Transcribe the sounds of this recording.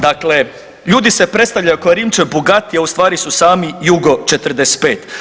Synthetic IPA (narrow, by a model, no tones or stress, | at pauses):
d̪akle̞ | ʎuːd̪isepɾet̪st̪aʋʎajukoeɾiːmt͡ʃeboɡat̪ijaust̪ʋaːɾisusaːmijuɡo̞t͡ʃet̪ɾ̩d̪est̪̚pe̞ːt̪